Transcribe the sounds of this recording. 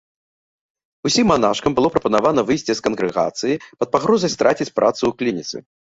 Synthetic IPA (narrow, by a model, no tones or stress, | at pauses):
usʲimːanaʂkɐmbɨlˠɔpɾɐpɐnavanɐvɨjsʲt͡sʲiskɐnɣɾɨɣa̰t̪sɨjipɐt̪̚paɣɾɔzɐjst̪ɾʔat͡sʲit͡sʲpɾʔat̪sɨuklʲinʲit̪sɨ̰